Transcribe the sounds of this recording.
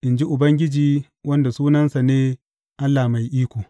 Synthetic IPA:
ʔɪ˨nd͡ʒi˦ʔʊ˨bɐ˦ŋɡʲɪ˦d͡ʒiː˦ | wɐ˦nda˨suː˦nɐ˦nsa˨neː˦ | ʔa˦lːa˨ma˨jʔiː˦kʷoː˨

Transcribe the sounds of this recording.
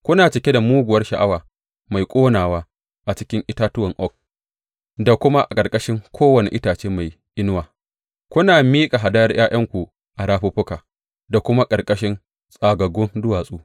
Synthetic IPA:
kʷʊ˦naː˨t͡ʃɪ˨kʲe˦da˨muː˦ɡʷʊ˨wɐ˦rʃa˨ʔa˦waː˨ | ma˨jkʷʼoː˦naː˨waː˦ | ʔa˨t͡ʃɪ˦kʲɪ˦ŋʔɪ˦taː˦tʊ˦wɐ˨ŋʔɔ˦k̚ | da˨kʷʊ˦ma˦ʔa˨kʼɐ˨rkʼɐ˦ʃɪ˦ŋkʷʰoː˦wɐ˨nḛ˨ʔɪ˦taː˨t͡ʃeː˦ma˨j | ʔɪ˦nʊ˦waː˨ | kʷʊ˦naː˨miː˦kʼa˨ɦa˨da˦jɐ˦rj̰aː˦j̰ɐ˦ŋkʷu˨ | ʔa˨ɾaː˦ɸu˦ɸʊ˦kaː˨ | da˨kʷʊ˦ma˦kʼɐ˨rkʼɐ˦ʃɪ˦n | sʼaː˨ɡɐ˨ɡʊ˦ndʊ˦waː˨sʼuː˦

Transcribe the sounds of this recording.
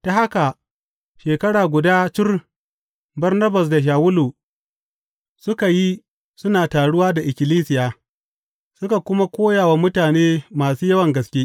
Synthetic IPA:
ta˨ha˦ka˨ | ʃeː˨kɐ˦ɽaː˨ɡʷʊ˨daː˦t͡ʃɪ˦r | bɐ˦rnɐ˦bɐ˨s̬da˨ʃ̬aː˨wʊ˦lu˨ | sʊ˦ka˨ji˦ | sʊ˦naː˨taː˨ɽʊ˦waː˦da˨ʔɪ˨kʲɪ˨liː˦sɪ˨jaː˨ | sʊ˦ka˨kʷʊ˦ma˦kʷoː˦jaː˨wa˦mʊ˦taː˨neː˦maː˨suː˦jɐ˦wɐ˨ŋɡɐ˨skʲeː˦ʔ

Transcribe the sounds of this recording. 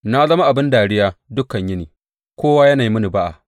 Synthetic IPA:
na˦zɐ˦ma˦ʔa˨bɪ˦ndaː˨ɽɪ˦jaː˦dʊ˦kɐ˨ɲjɪ˦niː˨ | kʷoː˦waː˦jɐ˦na˨ji˦mʊ˦ni˨ba˦ʔa̰˨

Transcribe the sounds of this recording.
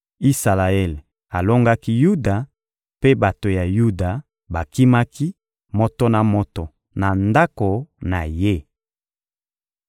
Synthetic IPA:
i˦sa˨la˨ɛ˦˨l | a˨lo˦ŋɡa˦ki˦ju˦da˨ | pe˦ba˨to˨ja˨ju˦da˨ | ba˨ki˦ma˦ki˦ | mo˨to˦na˨mo˨tɔ˨ | na˨nda˦ko˨na˨je˦

